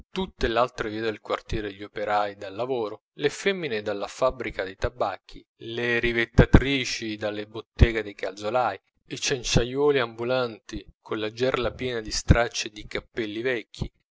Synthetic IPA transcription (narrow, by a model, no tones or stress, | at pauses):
t̪ut̪ːelalt̪ɾeviːad̪elkwart̪jɛːɾed̪eʎːopeɾajd̪alːavoːɾo | lefɛmːined̪alːafabɾikad̪ejt̪abakʰːi | leɾivet̪ːat̪ɾiːt͡ʃid̪alːebot̪ːɛːɡed̪ejkʰa̰ld̪zolaːj | it͡ʃɛnt͡ʃajwɔːliambulant̪ikʰolːad͡ʒɛrlapjɛːnad̪ist̪ɾat͡ʃːed̪ikapːɛlːivɛkʰːḭ